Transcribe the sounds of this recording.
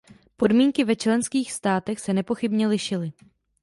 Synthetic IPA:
po̞dmiːŋkɪvɛt͡ʃlɛnskiːxst̪aːt̪ɛxsɛnɛpo̞xɪbɲɛlɪʃɪlɪ

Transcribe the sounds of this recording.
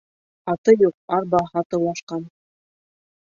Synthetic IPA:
ɑt̪ɤjuq̚ɑɾbɑɦɑt̪ɤ̆lˠɑʃqɑn

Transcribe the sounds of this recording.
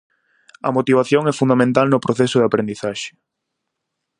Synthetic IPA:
ɐ̰mot̪iβ̞aθjoŋɛfund̪amẽnt̪alnʊpɾoθɛsʊðeapɾend̪iθaʃɪ̥

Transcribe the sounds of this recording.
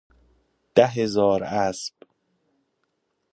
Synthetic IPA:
d̪̥æɦezɒːɾæsb̥

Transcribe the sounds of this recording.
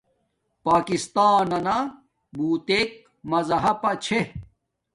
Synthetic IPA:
paːkist̪aːnɐna | buːt̪ek̚ | mɐzɐɦɐpɐt͡ɕʰe

